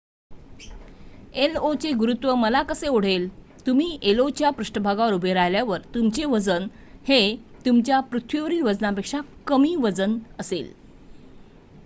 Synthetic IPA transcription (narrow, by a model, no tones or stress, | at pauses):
elot͡seɡuɾut̪ʋəməlakəseoɽ̤el | t̪umiːʔelot͡ɕjapɾuʂʈəbʱaɡaʋəɾubʱeɾajljaʋəɾt̪umt͡seʋəd͡zən | het̪umt͡ɕjapɾut̪ʰʋiʋəɾiːʋəd͡znapekʂakəmiːʋəd͡zənəsḛl